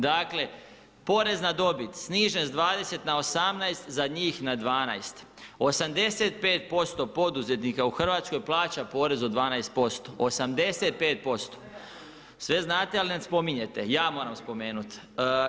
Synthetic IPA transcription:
d̪aːkle̞ | po̞ːɾe̞znad̪o̞bit̪sniːʒenzd̪ʋaːd̪e̞se̞t̪nao̞samnajst̪zaɲiːxnad̪ʋaːnajst̪ | o̞samd̪e̞se̞t̪̚pe̞ːt̪̚po̞st̪o̞po̞d̪uze̞t̪nikauxr̩ʋaːt̪sko̞jplˠaːt͡ɕapo̞ːɾe̞zod̪ʋaːnajst̪̚po̞st̪o̞ʔosamd̪e̞set̪̚pe̞ːt̪̚po̞st̪o̥ | sʋe̞znaːt̪ealinad̪spo̞miɲe̞t̪e̞jaːmoːɾamspo̞me̞ːnut̪ː

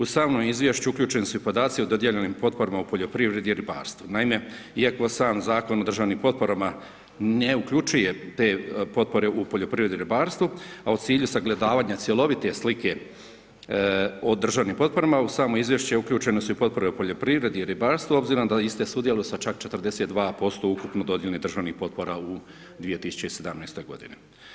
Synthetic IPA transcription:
usaːʋnomizʋʲjeʃt͡ɕuukʎʲuːt͡ʃenesuipo̞d̪aːt̪siod̪o̞d̪jeʎeniːmpo̞t̪̚po̞ɾamaupo̞ʎo̞pɾiʋɾe̞d̪iiɾiba̰ːɾst̪ʋunaime̞ | iako̞saːmzaːko̞no̞d̪r̩ʒaːʋniːmpo̞t̪̚po̞ɾama | neukʎut͡ʃuje̞t̪e̞ːpo̞t̪̚po̞ɾe̞ʔupoʎo̞pɾiʋɾe̞d̪iɾibaːɾst̪vuaut̪siːʎusaɡle̞d̪aːʋaːɲat̪sje̞lo̞ʋit̪e̞slike̞ | od̪r̩ʒaːʋnimpo̞t̪̚po̞ɾamausaːmoizʋjeʃt͡ɕeukʎʲuːt͡ʃe̞nosuupo̞t̪̚po̞ɾeupo̞ʎo̞pɾiʋɾe̞d̪iiɾibaːɾst̪vuo̞bziɾod̪aist̪esuːd̪je̞lujsat͡ʃak̚t͡ʃe̞t̪rd̪e̞set̪d̪ʋaːpo̞st̪o̞ukupnod̪o̞d̪jelenid̪r̩ʒaːʋnihpo̞t̪̚po̞ɾau | d̪ʋije̞t̪isu̥t͡ɕeise̞d̪amnejst̪o̞jɡo̞̰d̪ḭnḛ

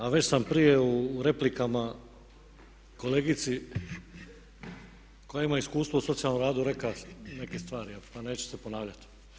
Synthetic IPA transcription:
aʋe̞t͡ɕsampɾije̞uɾe̞plikama | ko̞leːɡit̪si | kojaimaiskuːst̪ʋouso̞t̪sijalnomɾaːd̪uɾe̞kane̞ke̞st̪ʋaːɾiapane̞ːt͡ɕe̥se̞ponaːʋlʎat̪i̥

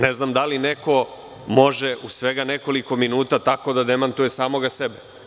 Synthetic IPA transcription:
neznamd̪alineko̞ | mo̞ʒeʔusʋe̞ɡaneko̞liko̞minuːt̪at̪ako̞d̪ad̪emant̪uje̞saːmo̞ɡasebe

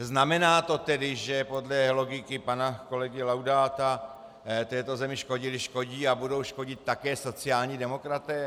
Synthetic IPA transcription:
znamɛnaːt̪o̞t̪ɛdɪʒɛpo̞dlɛlo̞ɡɪkɪpanako̞lɛɡɪlawdaːt̪a | t̪ɛːt̪o̞zɛmɪʃko̞ɟɪlɪʃko̞ɟiːabudo̞wʃko̞ɟɪt̪̚ːakɛːso̞t͡sɪaːlɲiːdɛmo̞kɾat̪ɛː

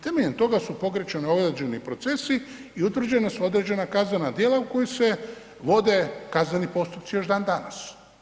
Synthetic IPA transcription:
t̪e̞me̞ʎent̪o̞ɡasupo̞ɡɾet͡ʃenio̞ɡɾed͡ʑe̞nipɾo̞t̪se̞si | iut̪ʋɾr̩d͡ʑenesuo̞d̪ɾed͡ʑe̞nakaznenad̪jeːlauko̞jose̞ | ʋo̞d̪e̞kaznenipo̞st̪upt̪sijo̞ʒd̪aːnd̪ana̰s

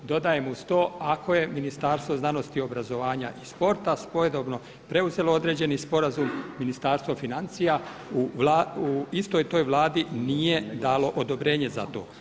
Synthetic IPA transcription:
d̪o̞d̪ajemust̪o̞ːako̞je̞minist̪aːɾst̪ʋo̞znano̞st̪io̞bɾazo̞ʋaːɲaʔispo̞ɾt̪aspojed̪obno̞ | pɾe̞uze̞lood̪ɾeːd͡ʑe̞nispo̞ɾazumːinist̪aːɾst̪ʋofinant̪sijauʋlauist̪o̞jt̪o̞ːjʋlˠaːd̪inije̞d̪aːlo̞ʔod̪o̞bɾe̞ːɲe̞za̰t̪o̞̰ː

